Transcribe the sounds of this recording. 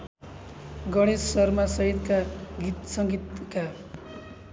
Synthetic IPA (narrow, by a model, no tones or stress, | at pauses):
ɡʌɽ̃esːʌrmasʌɦid̪kaɡʱit̪sʌŋɡit̪ka